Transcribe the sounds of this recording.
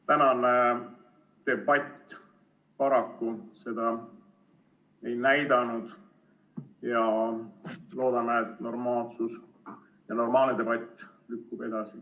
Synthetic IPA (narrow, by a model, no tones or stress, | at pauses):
t̪ænɑne | t̪e̞bɑt̪ʲːˑ | pɑɾɑkːuse̞d̪̥ɑ | e̞jnæjd̪ɑnud̪̥ | jɑ | lo̞ːd̪̥ɑmeet̪no̞rmɑːlsus | jɑno̞rmɑːlned̪e̞b̥ɑt̪ʲːˑlykːub̥e̞d̪̥ɑsi